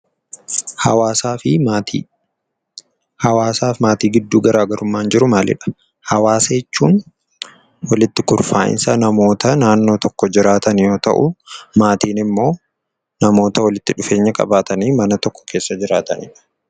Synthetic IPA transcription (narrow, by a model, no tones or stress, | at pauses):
hɐwaːsaːfɪiː | hɐwaːsaːfmaːt̪iːɡɪd̪ːuːɡɐɾaːɡɐɾʊmːaːnd͡ʒɪɾʊmaːlɪ̰ᶑɐ̥ | hɐwaːsɐjɛt͡ʃːuːn | wɐlɪt̪ːɪkʊɾfaːʔɪ̰nsɐnɐmo̞ːt̪ɐnaːnːo̞ːt̪ɔkːɔd͡ʒɪɾaːt̪ɐnjo̞ːt̪ɐ̰ʔʊmaːt̪iːnɪmːo̞ː | nɐmo̞ːt̪ɐwɐlɪt̪ːɪᶑʊfe̞ːɲːɐkʼɐ̰baːt̪ɐniːmɐnɐt̪ɔkːɔ̥kʰe̞ːsːɐd͡ʒɪɾaːt̪ɐ̰nɪᶑɐ̥